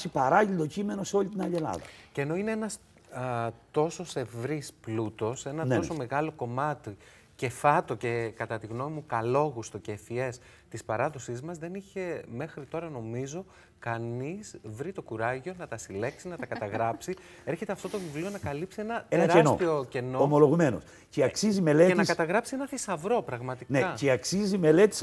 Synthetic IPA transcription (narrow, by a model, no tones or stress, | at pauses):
sipɐɾɐʎild̪ocime̞no̞seo̞lit̪inɐʎielɐ̰ðɐ̰ceno̞ineenɐs | t̪o̞so̞se̞vɾisplut̪o̞se̞nɐto̞so̞me̞ɣɐlo̞ko̞mɐt̪i | ce̞fɐt̪o̞ce̞kɐt̪ɐt̪iɣno̞mimukɐlo̞ɣust̪o̞cefie̞s | t̪ispɐɾɐðo̞sizmɐzðe̞niçe̞me̞xɾit̪o̞ɾɐno̞mizo̞ | kɐnisvɾit̪o̞kuɾɐʝo̞nɐt̪ɐsile̞ksinɐt̪ɐkɐt̪ɐɣɾɐpsi | eɾçe̞t̪e̞ɐft̪o̞t̪o̞vivlio̞nɐkɐlipsienɐteenɐɾensot̪ioce̞no̞omolo̞ɣume̞no̞̰s | ceɐksizime̞leenɐiskɐt̪ɐɣɾɐpsienɐθesɐvɾo̞pɾɐɣmɐt̪ineɐceɐksizime̞le̞t̪i̥s